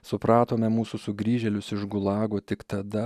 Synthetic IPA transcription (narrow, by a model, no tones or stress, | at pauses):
sʊpɾɑːt̪oːmʲɛmuːsʊsʊɡɾʲiːʒʲɛlʲʊsɪʒɡʊlˠɑːɡoːt̪ʲɪkt̪ɐd̪ɐ